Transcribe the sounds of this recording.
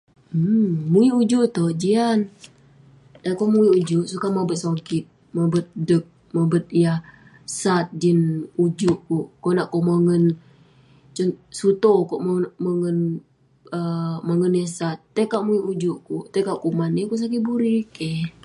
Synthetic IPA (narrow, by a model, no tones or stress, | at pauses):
muiud͡ʒuʔt̪od͡ʒian | t̪akomuiud͡ʒuʔsukamabət̪̚sakit̪̚ | mabət̪̚dək̚ | mabət̪̚ijah | sat̪̚d͡ʒinud͡ʒuʔkuʔkoʔnaʔkoməŋən | t͡ʃunsut̪okoʔmməŋən | əməŋənesat̪̚ːəkaʔmuiʔud͡ʒuʔkuʔt̪ajkaʔkumanikuʔs̬ak̬ibuɾikɛh